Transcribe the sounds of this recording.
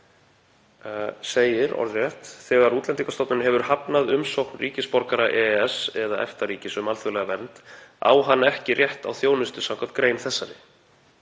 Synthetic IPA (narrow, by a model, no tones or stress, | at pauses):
seːjɪɾɔ̰ɾðrjɛht̪θɛɣaɾuːt̪lɛnt̪iŋkast̪ɔp̪nʏnɦɛvʏɾ̥hapnaðʏmsowknriːcɪspɔɾkaɾaʔɛɛsɛðaʔɛ̰ft̪ariːcɪsʏmalθʏɣlɛɣavɛnt̪a̰ːwɦanːaɛhcɪrjɛht̪awθjoːwnʏst̪ʏsawŋkʰvḁt̪kɾejnθɛsːaɾɪ